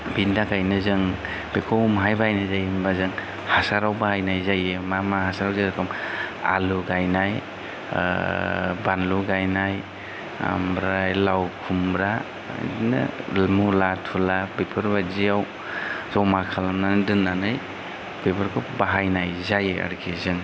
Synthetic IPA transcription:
bindakajnɯzɯŋ | bekʰɔwmɦajbaajnɯzajimbazɯŋ | hasaɾawbahajnajzajɯmamahasaɾawaakʰɔma̰luɡajnaj̰ | banluɡajnaj | a̰mbɾajlawkʰumbɾa̰ | na̰mulatʰulabepʰɯɾbazijaw | zawmakʰalamnanɯdɯnːanɯj | b̥ebaɾkʰɔbaɦajnajzajɯa̰ɾkʰizɯŋ

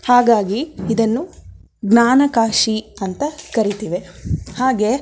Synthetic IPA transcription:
haːɡaːɡiːd̪ɐnːu | ɡnaːnɐkaːʂiɐnt̪ɐkɐɾit̪iːʋe̞haːɡe̞

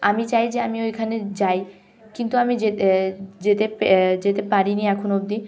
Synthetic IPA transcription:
amit͡ɕajd͡ʑeamiojkʰaned͡ʑaj | kint̪uamid͡ʑe | d͡ʑet̪eped͡ʑet̪epaɾiniɛkʰonob̚d̪i

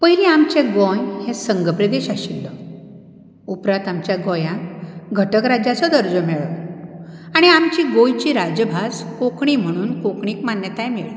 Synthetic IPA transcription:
pəjɾiamt͡ɕẽɡɔ̃jhẽsəŋɡəpɾəd̪eɕaɕilːɔ | upɾat̪amt͡ɕjaɡɔjãɡʱəʈəkɾad͡ʑjat͡sɔd̪əɾd͡zɔmɛɭɔ | aɽ̃iamt͡ɕiɡõjt͡ɕiɾad͡ʑəbʱaskokɳ̃im̤əɽ̃uːnkokɳiːkmanjət̪ajmeɭ

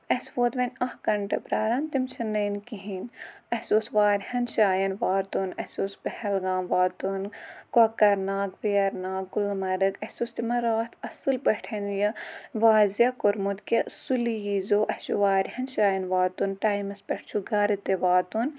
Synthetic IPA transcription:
ɐsʋoːt̪ʋɐnʲɐhkɐɳʈɐpɾaːɾant̪imt͡ʃʰɐnːɐːnkiɦinɐhsoːsʋaːɾhɐnʃaːjɐnʋaːt̪unɐsʲoːsbɐhɐlɡaːmʋaːt̪unkɐkɐɾnaːkʋeɐɾnaːk̚ɡulmɐɾɨkɐsoːst̪imɐɾaːt̪ʰɐsɨlpɐʈʰɐnjɐʋaːzjɐkoɾmut̪kʲɐsulijizoːʔɐhʃṵʋaːɾhɐnʃaːjɐnʋaːt̪unʈaːjmɐspɐʈʰt͡ʃʰuɡɐɾɨt̪eʋaːt̪un

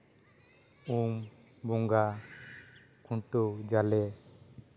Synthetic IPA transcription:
um | bɔŋɡa | kʰuɳʈowd͡ʒalɛ

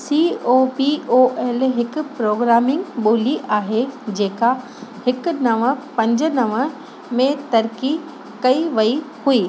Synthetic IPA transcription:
siːoːpioːʔɛːlɦɪkʊ̆pɾoːɡɾaːmɪ̃ŋɡɓoːliʔaːɦed͡ʑeːka | hɪkʊ̆nɐʋə̆pɐ̃ɲd͡ʑʊ̆nɐʋə | mẽt̪ɐɾki | kɐiʋɐihuiː

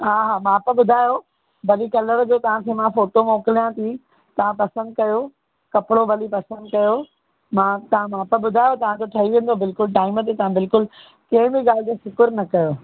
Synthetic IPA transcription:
ɦaːɦaːmãːpəbʊd̪ʱaːjo | bɐlikɐləɾd͡ʑoːt̪ɐʋ̤ãkʰeːmãfoːʈomoːkɪlijãt̪ʰi | t̪ɐʋ̤ãpɐsə̃nd̪̚kɐjo | kɐpɪɽobɐlipɐsə̃nd̪kɐjo | mãt̪ɐʋãmãːpəbʊd̪ʱaːjot̪ɐʋ̤ãd͡ʑoʈʰɐɦiʋẽːn̆d̪obɪlkʊlʈaːɪmət̪et̪ɐʋ̤ãbɪlkʊl | kɐ̃ɦɪ̃bɪɡaːl̤ɪt̪esʊkʊɾnɐkɐjoː

